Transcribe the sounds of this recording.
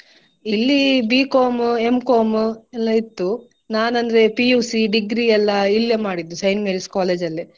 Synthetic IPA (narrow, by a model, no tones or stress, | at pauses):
ilːibiːkoːmue̞mkoːmɛlːɐit̪ːu | naːnɐnd̪ɐɾe̞pijuːsiɖiɡɾiɛlːɐiljɐmaːɽid̪ːusɐjnmeɾiskaːleːd͡ʒɐlːi